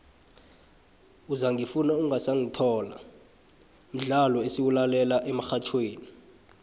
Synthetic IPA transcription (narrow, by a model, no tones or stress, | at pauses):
uzaŋʱifunauŋasaŋitʰɔːla̰ | m̩ɮalɔesiwulalɛlaʔɛmaxat͡ʃʰweːni